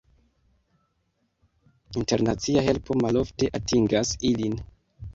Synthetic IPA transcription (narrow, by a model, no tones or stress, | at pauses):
inte̞ɾnat͡siaɦe̞lpʰo̞malo̞fte̞ʔatiŋɡasilin